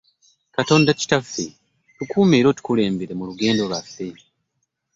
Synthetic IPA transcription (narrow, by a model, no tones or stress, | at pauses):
kato̞ːndaci̥tafːe | tukuːmeːɾo̞ːtu̥kule̞ːmbeɾe̞muluɡe̞ːndo̞lwafːe̞